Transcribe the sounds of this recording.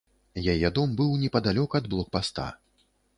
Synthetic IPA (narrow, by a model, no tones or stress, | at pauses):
jajɛd̪ɔmbɨwnʲɛpɐd̪alʲɔkɐɐd̪̚blˠɔk̚past̪a̰